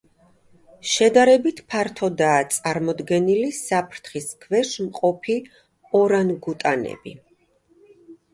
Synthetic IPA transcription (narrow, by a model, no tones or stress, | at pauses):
ʃɛd̪aɾɛbit̪ʰpʰaɾt̪ʰɔd̪aːt̪sʼaɾmɔd̪ɡɛnilisapʰɾt̪ʰχiskʰvɛʃmqʼɔpʰi | ɔɾanɡut̪ʼanɛ̰bḭ